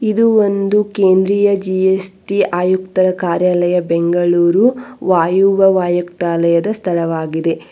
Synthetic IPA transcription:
id̪uo̞nd̪ukeːnd̪ɾiːjɐd͡ʒiesʈiaːjuk̚t̪ɐɾɐkaːɾjaːlɐjɐbeŋɡɐɭuːɾuʋaːjuʋɐʋaːjɐkt̪aːlɐjɐd̪ɐst̪ʰɐɭɐʋaːɡid̪e̞

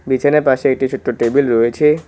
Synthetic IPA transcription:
bit͡ɕʰaneɾpaʃeek̚ʈit͡ɕʰuʈ̪ːɾoʈebilɾoet͡ɕʰe

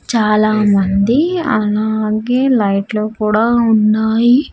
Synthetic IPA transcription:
t͡ʃaːlaːmɐnd̪iɐlaːɡeːlɐjʈloːkuːɽaːunːaːji

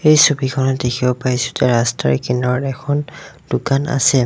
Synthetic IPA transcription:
ejsubikʰɔnɔdekʰiɔpaisu̥tɛɹasta̰ɹkinɔɹɛkʰɔnd̥ʊkana̰sɛ

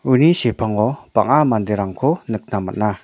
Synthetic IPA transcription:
ʔunisihb̥a̤ŋɔpa̰ŋamand̪iɾaŋkonək̚namə̰nah

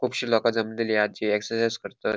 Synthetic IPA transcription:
kʰupɕiːlɔkad͡zamənd̪iliad͡ʑiɛksəɾsajzkəɾt̪ə

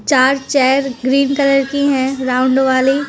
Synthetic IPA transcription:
t͡ʃaːɾt͡ʃɛːɾɡɾiːnkələɾkiɦɛ̃ɾãːʊɳɖʋaːli

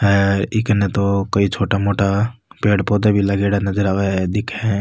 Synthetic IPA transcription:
ɦɛːɾɪknet̪okɐit͡ʃʰoːʈamoːʈapeːɽpɔːd̪ebʱilɐɡeːɽanɐd͡ʒəɾaːʋeɦɛd̪ɪkʰɦɛ̃

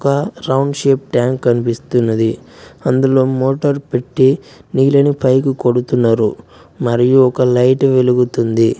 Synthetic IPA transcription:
kɐɾɐwɳɖʂeːp̚ʈjaːŋkːɐnipist̪unːɐd̪iɐnd̪ulo̞ːmoːʈɐɾpe̞ʈːi | niːlɐnipʰɐjkuko̞ɽut̪unːaːɾu | mɐɾijuɔkɐlɐjʈʋe̞luɡut̪und̪i

